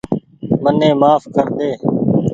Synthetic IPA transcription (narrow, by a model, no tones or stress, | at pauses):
mənẽːmaːfkʰəɾd̪eː